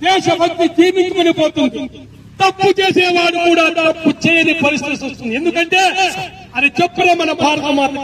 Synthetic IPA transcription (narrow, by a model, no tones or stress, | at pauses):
d̪ɛːʂɐbɐkt̪iɡ̪iːnit͡ʃukonipo̞ːt̪und̪i | t̪ɐpːut͡ʃeːseːʋaːɽukuːɽaːt̪ɐpːut͡ʃɛːjɐnipɐɾist̪it̪isɐst̪und̪e̞nd̪ukɐɳʈeː | ɐd̪it͡ʃepːuneːmɐnɐbʱaːɾɐt̪ɐmaːɾɐ